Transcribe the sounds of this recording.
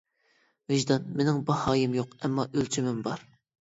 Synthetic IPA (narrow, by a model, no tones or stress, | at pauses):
vɪʒd̪ɑnmenɪŋbɑhɑːjɪmjoqɛmːɑʔølt͡ʃʰimɪmbɑɾ